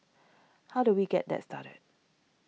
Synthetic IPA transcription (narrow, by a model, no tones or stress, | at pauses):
haʊduwiɡɛ̰t̚d̪ɛ̰tstʰaɾə̰d̚